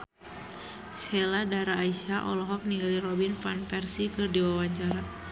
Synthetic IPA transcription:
sɛladaɾaːiʃaʔɔlɔɦɔk̚niɡalirɔbinfanpɛrsikɨrdiwawaɲt͡ʃaɾa

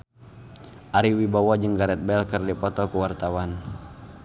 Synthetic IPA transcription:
ʔaɾiwibawad͡ʒɨŋɡaɾɛt̪̚bɛlkərdipɔt̪ɔkuwart̪awan

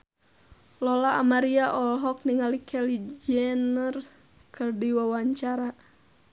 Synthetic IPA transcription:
lɔlaːmaɾiaʔɔlɦɔk̚niŋalikʰɛlid͡ʒɛnər | kʰɨrdiwawaɲt͡ʃaɾa

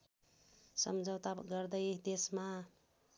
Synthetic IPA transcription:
sʌ̰md͡ʒʌwt̪aɡʌɾd̪ʌjd̪esma

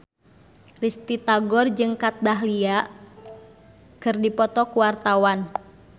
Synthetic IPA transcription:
rist̪it̪aɡɔrd͡ʒɨŋkat̪̚daɦlia | kɨrdipɔt̪ɔkuwart̪awan

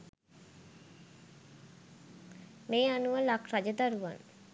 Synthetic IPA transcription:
mejanualakʰɾad͡ʑet̪aɾua̰n

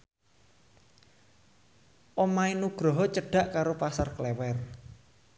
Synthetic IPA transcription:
ʔomainuɡ̥ɾɔɦɔt͡ʃəɖ̥a̤ʔkaɾopasarklɛwɛr

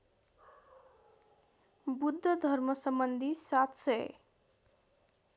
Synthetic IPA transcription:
bud̪ʱːʌd̪ʱʌɾmʌsʌmbʌnd̪ʱisat̪sʌj

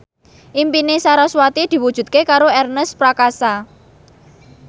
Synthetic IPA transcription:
ʔimpinesaɾaswat̪id̪̥i̤wud̥ʒ̥ṳt̪̚kekaɾoɛrnəspɾakasa

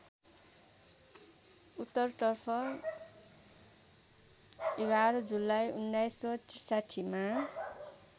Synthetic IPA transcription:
ut̪ːʌrt̪ʌrpʰʌ | eɡaɾʌd͡zulːajunːajsʌtisaʈʰima

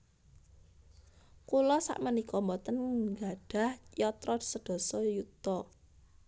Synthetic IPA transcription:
kulɔsa̰ʔmənikɔmbɔt̪ənŋɡaɖ̥ä̤hjɔt̪ɾɔd̥səɖ̪̥ɔ̤sɔjut̪ɔ

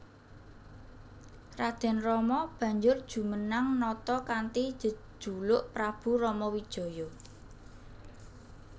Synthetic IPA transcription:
rad̪̥ɛ̤nrɔmɔb̥ä̤ɲd͡ʒʊrd̥ʒ̥ṳmənaŋnɔt̪ɔkant̪i̥d͡ʒ̥ə̤̥ʒ̥ṳlʊʔpɾab̥ṳrɔmɔwid̥ʒ̥ɔ̤jɔ

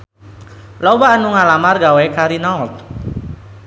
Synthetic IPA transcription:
lɔwaːnuŋalamarɡawekaɾinaɔt̪̚

